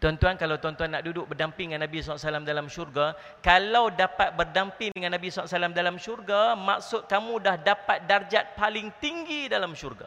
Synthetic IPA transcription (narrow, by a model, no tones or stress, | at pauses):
t̪ɔnt̪uankalawt̪ɔnt̪uanːaʔdudʊk̚bərdampɪŋːanːãbisɔaʔsalamdalamʃurɡa | kalawdapat̪̚bərdampɪŋdəŋãnːãbisalaʔsalamdalamʃurɡama̰ksʊt̪̚kamũdahdapat̪̚dard͡ʒat̪̚palɪŋt̪iŋɡidalamʃurɡa̰